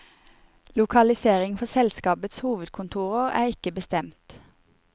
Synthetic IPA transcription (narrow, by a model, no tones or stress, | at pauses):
lʊkʰɑlɪseːʁɪŋfɔsɛlskɑːbət̪shuːʋəd̪kʰʊnt̪ʰuːʁəʁæ̰ːʁɪkəbəst̪ɛmt̪